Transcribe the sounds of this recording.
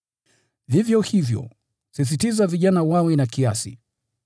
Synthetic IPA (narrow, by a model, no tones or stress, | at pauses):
vivjɔhivjɔ̰ | sis̬itizaviʄanawawɛnakiasḭ